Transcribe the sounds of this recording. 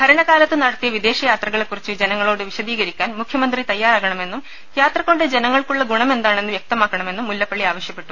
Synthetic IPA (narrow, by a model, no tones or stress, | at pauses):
bʰʱɐɾɐɳɐkaːlɐt̪ːɨnɐɽɐt̪ːijɐʋid̪e̞ːɕɐjaːt̪rɐɣɐɭe̞kːurit͡ɕːɨd͡ʑe̞nɐŋːɐɭoːɽɨʋiɕɐd̪iːɣɐɾikʲːaːnmukʰjɐmɐnd̪rit̪ɐjːaːraːɣɐɳɐme̞nːum | jaːt̪rɐko̞ɳɖɨd͡ʑenɐŋːɐɭkuɭːɐɡuɳɐme̞nd̪aːɳe̞nːɨʋjɐk̚t̪ɐmaːkːɐɳɐme̞nːumːulːɐpːɐɭːiaːʋɐɕjɐpːe̞ʈːu̥